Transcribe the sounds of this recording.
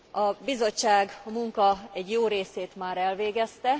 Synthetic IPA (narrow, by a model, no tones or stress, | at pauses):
ɒbizo̞t͡ʃːaːɡɒmuŋkɒɛɟjoːɾeːseːt̪maːɾɛlʋeːɡɛst̪ɛ